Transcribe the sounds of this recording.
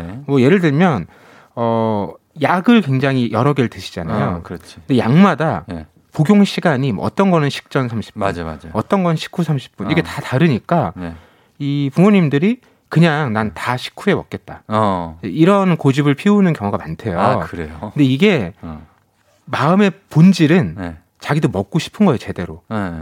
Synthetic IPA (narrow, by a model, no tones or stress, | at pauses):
mwʌje̞ɾɯɭdɯɭmjʌn | ʌ | jaɡɯɭkwe̞ŋd͡ʑaŋijʌɾʌɡeɭtɯɕʰi̥d͡ʑana̰jokɯɾʌt͡ɕʰi̥nde̞jaŋmadan | poɡjoŋɕʰiɡaɲimw̰ʌ̰t͈ʌnɡʌnɯnɕʰi̥k̚t͡ɕ͈ʌnsʰamɕʰi̥p̚pad͡ʑma̰d͡ʑʌt͈ʌnɡʌnɯnɕʰi̥k͈ʰusʰamɕʰi̥p̚p͈uniɡetataɾɯɲik͈an | ipumoɲimdɯɾi | kɯɲaŋnantaɕʰi̥kʰue̞mʌk̚k͈e̞t̚t͈aeiɾʌnkod͡ʑibɯɭpʰiunɯnkjʌŋɦoɡamantʰe̞jokkɯɾejokɯnde̞iɡe̞ | maɯme̞pond͡ʑiɾɯn | t͡ɕaɡidomʌk̚k͈oɕʰi̥pʰɯnɡʌejot͡ɕe̞de̞ɾo